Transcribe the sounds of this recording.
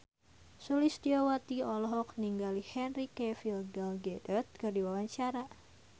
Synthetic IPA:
sulist̪iowat̪iɔlɔɦɔk̚niŋɡalihɛnrikɛfilɡalɡɛdərt̪̚kərdiwawaɲt͡ʃaɾa

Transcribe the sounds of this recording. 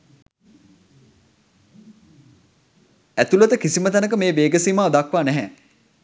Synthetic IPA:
æt̪ulət̪əkisimət̪anək̬əmeːʋeːɡəsiːmaod̪akʋaːnɛɦæː

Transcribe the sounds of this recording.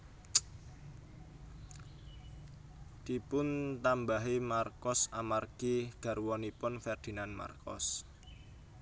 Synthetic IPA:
d̪̥ipʊnt̪ambaɦimarkɔsamarɡ̥iɡ̥a̤rwɔnipʊnfɛrd̪̥i̤nanma̰rkʰɔ̰s

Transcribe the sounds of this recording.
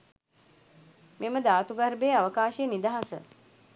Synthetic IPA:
meməd̪aːt̪uɡɐɾbeːaʋəkaːʃejənid̪aɦasə̰

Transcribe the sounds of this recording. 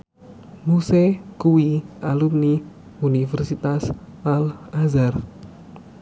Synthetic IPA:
musekuwiʔalumni | unifɛrsit̪asʔalazar

